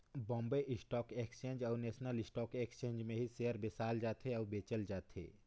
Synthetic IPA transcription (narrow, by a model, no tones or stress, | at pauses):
bɔ̃ːmbeʔɪsʈɔːkekst͡ʃẽːnd͡ʒɔːɾnɛːsnəlɪsʈɔːkekst͡ʃẽːɲd͡ʒmẽɦisejəɾbesaːld͡ʒaːt̪ɦeɔːɾbeːt͡ʃəld͡ʒaːt̪ʰḛː